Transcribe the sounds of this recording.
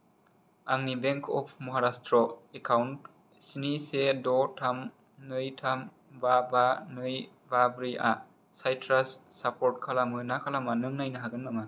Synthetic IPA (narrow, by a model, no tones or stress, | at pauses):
aŋnibeŋkʰɔpʰmɔɦaɾastɾɔekʰawnt | sinisedɔtʰam | nɯjtʰam | babanɯj | babɾia̰ | sajtʰɾasːapɔɾt̚kʰalamɯnakʰalamanɯŋnajnɯɦaɡɯnmaŋa